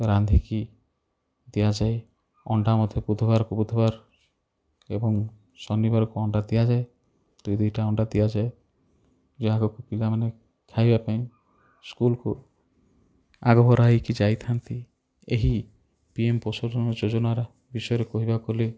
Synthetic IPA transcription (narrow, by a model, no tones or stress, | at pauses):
ɾand̪ʱiki | d̪ijad͡ʒae | ɔɳɖamɔd̪ʱjɔbud̪ʱɔbaɾɔkubud̪ʱɔbaɾ | ḛbɔŋ | sɔnːibaɾɔkuɔɳɖad̪ijad͡ʒae | d̪ujd̪ujʈaɔɳɖad̪ijad͡ʒae | d͡ʒɔɦaɡɔkupilamane | kʰajbapaĩ | skulku | aɡɔbɔɾaɦikid͡ʒajt̪ʰant̪i | eɦi | piempɔsɔʈɔnɾɔd͡ʒod͡ʒɔnaɾɔ | bisɔjɔɾekɔɦibakole